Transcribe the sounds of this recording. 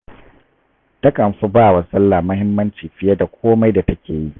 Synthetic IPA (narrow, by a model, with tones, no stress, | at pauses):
dɐ˦kʼɐ˨mɸu˦baː˦˨wa˨sɐ˦lːaː˨mʊ˦hɪ˦mːɐ˦nt͡ʃiː˨ɸɪ˦jɐ˦da˨kʷoː˦ma˦jda˨tɐ˦kʲʰeː˨ji˦ʔ